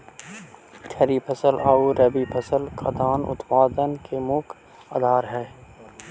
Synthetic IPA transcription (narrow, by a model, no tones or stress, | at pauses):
tʰɐɾipʰɐsəlaːuɾɐbipʰɐsəlkʰad̪aːnʊ̰t̪paːd̪ənkemʊkʰ | a̰d̪ʱaːɾɦɛː